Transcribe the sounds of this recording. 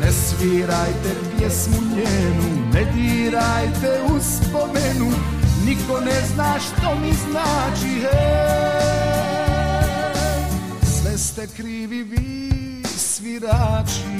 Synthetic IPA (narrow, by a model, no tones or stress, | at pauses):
nɛsʋiːɾajt̪ɛpɪjɛsmuɲɛnunɛd̪iːɾajt̪ɛuspɔmɛnu | ɲikɔnɛznaːʃt̪ɔmiznaːt͡ʃiɦɛ | zʋɛst̪ɛkɾiːʋiʋi | sʋiɾaːt͡ʃi